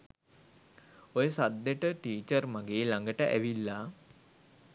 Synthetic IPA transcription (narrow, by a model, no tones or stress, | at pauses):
ojəsad̪ːeʈəʈiːt͡ʃərmaɡeːlaŋɡəʈəʔæ̰ʋilːaː